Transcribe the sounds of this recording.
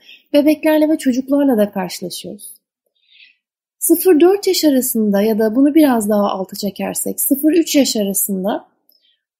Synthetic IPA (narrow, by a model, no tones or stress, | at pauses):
be̞bɛclʲæɾlʲɛvɛt͡ʃʰo̞d͡ʒuklˠaɾlˠad̪akʰaɾʃɯlˠaʃɯjɾ̥ | sɯfɯɾd̪øɾt̪jaʃaɾasɯnd̪ajad̪abunubiɾazd̪aɦaʔa̰lˠt̪ʰɯ̥t͡ʃʰe̞cʰæ̰ɾsɛ̰csɯfɯɾyt͡ʃjaʃaɾasɯnd̪a